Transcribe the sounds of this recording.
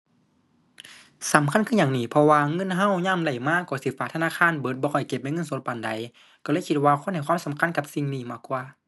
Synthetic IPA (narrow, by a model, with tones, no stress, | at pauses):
sa˨˦mkʰa˧˥˨nkʰɯ˧˥˨ɲaː˨ŋniː˧˩pʰɔ˧waː˧ŋɤ˧˥˨nɦa˧˥˨wɲaː˧˥˨mda˧˩jmaː˧˥˨kɔː˧˩si˧˩faː˧˩t̪ʰaː˧˥˨kʰaː˧˥˨nbɤː˧˦t̪̚bɔː˧kɔ˧˩jke˧p̚na˧˨ŋɤ˧˥˨nso˧˦t̪̚pa˨˩˨nda˨˦j | kɔː˧˩lɤː˧˨kʰi˧t̪̚waː˧kʰo˧˥˨nha˨˩jkʰwaː˧˥˨sa˨˦mkʰa˧˥˨nka˧p̚si˧˨ŋniː˧˩maː˧˩kwaː˧˨